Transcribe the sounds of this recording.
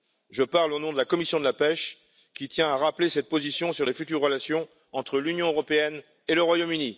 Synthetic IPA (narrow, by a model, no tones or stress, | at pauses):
ʒəpaʁlonɔ̃d̪əlakɔmisjɔ̃d̪əlapɛʃ | kʲit̪jɛ̃aʁaplesɛt̪̚pozisjɔ̃syʁlefyt̪yʁːəlasjɔ̃ | ɑ̃t̪χəlynjɔ̃øʁɔpeɛn | eləʁwajomyni